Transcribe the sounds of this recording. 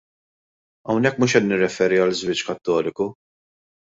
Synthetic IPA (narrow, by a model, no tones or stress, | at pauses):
ɐwnɛkːmuːʃɛt̪nɪrːɛfɛːɾiɐlːɪzwɪt͡ʃːkɐt̪ːɔːlɪku